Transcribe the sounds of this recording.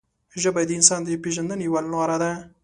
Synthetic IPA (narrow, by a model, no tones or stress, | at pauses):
ʒəbad̪əɪnsɑnd̪əpeʒand̪ənewalnwaɾad̪a